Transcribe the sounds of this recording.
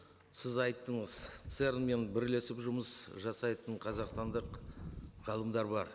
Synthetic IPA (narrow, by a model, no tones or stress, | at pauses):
sɪzɑjt̪ːəɴəz̥t̪seɾme̞nbɪɾle̞sɪpʒʊməsʒɑsɑjt̪əɴqʰɑzɑqst̪ɑnd̪əq | ʁɑlˠəmd̪ɑɾbɑɾ